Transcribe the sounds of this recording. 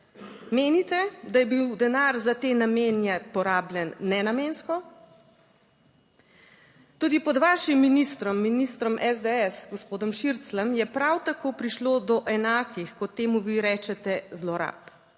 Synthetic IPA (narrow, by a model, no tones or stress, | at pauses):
meːnit̪ɛd̪ajɛbiwd̪ɛnaɾzat̪eːnameːnjɛpɔɾaːblʲjɛnːɛnameːnskɔ | t̪uːd̪ipɔd̪ʋaːʃimːinist̪ɾɔmːinist̪ɾɔmʔɛzd̪ɛɛsɡɔspoːd̪ɔmʃiɾt̪slɛmjɛpɾawt̪akoːpɾiʃloːd̪ɔʔɛnaːkʰixkɔt̪ːeːmuʋiɾɛːt͡ʃɛt̪ɛzlɔɾa̰ːp